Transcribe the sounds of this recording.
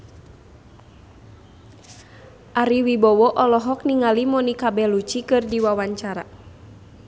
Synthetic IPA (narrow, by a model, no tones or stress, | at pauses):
ʔaɾiwibɔwɔʔɔlɔɦɔk̚niŋalimɔnikabɛlut͡ʃikɨrdiwawaɲt͡ʃaɾa̰